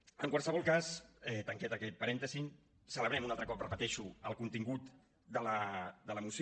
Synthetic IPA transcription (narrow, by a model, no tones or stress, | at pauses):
əŋkwalˠsəβɔlˠkasɛt̪əŋkɛt̪əkɛt̪̚pəɾɛnt̪əzi | sələβɾɛmunalˠt̪ɾəkɔp̚rəpət̪ɛʃuəlˠkunt̪iŋɡut̪ | d̪ələd̪ələmus